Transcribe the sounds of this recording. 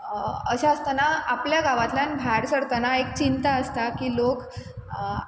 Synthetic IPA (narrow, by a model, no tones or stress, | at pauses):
əɕaəst̪anaapljaɡaʋat̪lanbʱaɾsəɽt̪anaek̚t͡ɕint̪aəst̪akiːlok